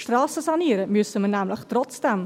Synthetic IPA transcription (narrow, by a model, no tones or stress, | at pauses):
ʃtrɑːsəsɑniəɾəmyəsəmənæːmləχtrɔt͡sd̥ɛm